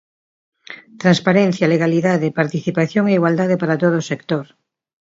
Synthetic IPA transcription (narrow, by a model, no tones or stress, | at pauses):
t̪ɾanspaɾen̟θjaleɣaliðaðepaɾt̪iθipaθjoŋeiɣwald̪aðepaɾat̪oð̞oːsekt̪oɾ